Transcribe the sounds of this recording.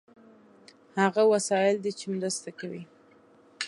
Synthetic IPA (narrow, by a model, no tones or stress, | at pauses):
haɣawasɑjɪld̪et͡ʃemɾast̪akawi